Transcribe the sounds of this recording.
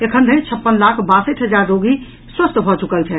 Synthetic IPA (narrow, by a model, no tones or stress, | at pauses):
ekʰənd̪ʱəĩt͡ʃʰəpːənlakʰbasəʈɦəd͡ʒaɾːoɡi | swəst̪bʱɔt͡ʃukəlt͡ʃʰɛ